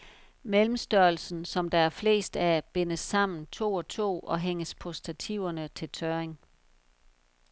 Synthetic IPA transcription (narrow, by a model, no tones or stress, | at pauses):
melm̩sd̥ɶɐl̩sn̩sɒ̽md̥ɑ̈æɐfle̝̰ːsd̥æb̥e̝nəsːɑ̈m̰n̩t͡sʰo̝̰ːɒ̽t͡sʰo̝̰ːʔɒ̽ɦeŋ̰əspʰɒ̽sd̥æt͡sʰiʊɐnət͡sʰe̝lt͡sʰɶeŋ